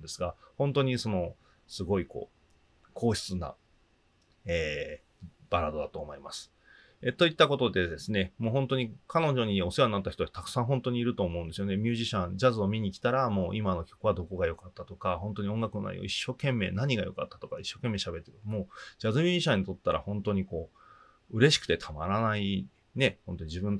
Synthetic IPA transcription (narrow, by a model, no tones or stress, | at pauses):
d̪e̞sɨɡahõ̞nt̪o̞ɲ̟iso̞no̞ | sɨɡo̞iko̞̰ː | kʰo̞ːçi̥t͡sɨna̰ | eː | b̥aɾad̪od̪at̪o̞ːmo̞imasɨ̥ | et̪o̞it̪ːako̞t̪o̞d̪e̞d̪esɨne̞moːɦõ̞nt̪o̞ɲ̟ikʰano̞ʑo̞ɲ̟io̞seaɲinat̪ːaçit̪ot̪akɯ̟̥sãɰ̃ɦõ̞nt̪o̞ɲ̟iːɾɯ̟t̪o̞ːmo̞ɯ̟̃nd̪esɨjo̞ne̞mʲɨːʑiɕãnd͡ʑazɨo̞mʲiɲ̟ikʲi̥t̪aɾamo̞ːʔimano̞kʲo̞̥kɯ̟βad̪o̞ko̞ɡajo̞kat̪ːat̪okahõ̞nt̪o̞ɲiõ̞ŋɡakɯ̟nona̰ḭo̰iɕːo̞ːkẽ̞mːe̞ːnaɲ̟iɡajo̞̰kat̪ːḁt̪o̞kaiɕːoːkẽ̞mːeɕabe̞t̪ːeɾɯ̟moːd͡ʑazɨmʲjɨːʑiɕãɲ̟ːit̪o̞t̪ːaɾa̰hõ̞nt̪o̞ɲ̟iko̞ː | ɯ̟ɾe̞ɕi̥kɯ̟̥t̪e̞t̪ʰamaɾanai | ne̞hõnt̪o̞ɲ̟id͡ʑibɯ̟nt̪